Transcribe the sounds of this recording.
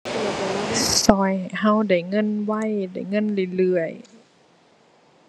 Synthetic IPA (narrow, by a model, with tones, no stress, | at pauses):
sɔː˧˩jha˧˥˨wda˧˩jŋɤ˧˥˨nwa˧˥˨jda̰˧˩jŋɤ˧˥˨nlɯ˧˩lɯ˧˩əj